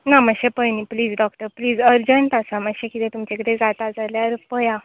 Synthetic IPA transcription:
naməɕepəjnipliːd͡zɖɔk̚ʈəɾpliːd͡zəɾd͡ʑəɳt̪asamaɡɕẽkit̪ẽt̪umt͡ɕekəɽẽd͡zat̪ad͡zaljaɾpəjã

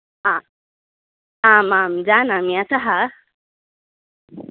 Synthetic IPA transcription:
a | ãmamd͡ʑanamiasaɦa

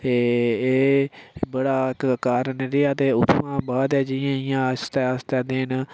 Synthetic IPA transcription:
eeːbəɽaːkkaːɾənɾiaːt̪eːʊt̪ʰːʋãːbaːd̪ɛːd͡ʒɪjãːɪjãːst̪ɛːəst̪aːd̪ɪːn

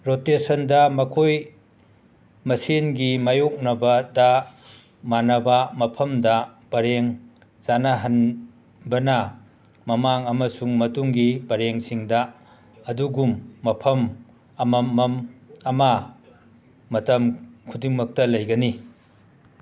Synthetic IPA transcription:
ɾotesɐndɐmɐkʰoj | mɐsenɡimajok̚nɐbɐdɐ | manɐbɐmɐpʰɐmdɐb̥ɐɾeŋ | zanɐɦɐn | bɐnɐ | mɐmaŋɐmɐsuŋmɐtuŋɡibɐɾeŋsiŋdɐ | ɐduɡumːɐpʰɐm | ɐmɐmːɐmɐmɐ | mɐtɐmkʰudiŋmɐk̚tɐlɐjɡɐni

